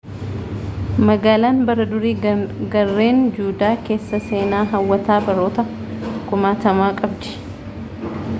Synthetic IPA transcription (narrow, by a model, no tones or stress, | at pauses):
mɐɡaːlaːnbɐɾɐd̪ʊɾiːɡɐrːe̞ːnd͡ʒuːd̪aːke̞ːsːɐse̞ːnaːɦɐwːɐt̪aːbɐɾo̞ːt̪ɐ | kʊmaːt̪ɐmaːkʼɐbd̪ɪ̥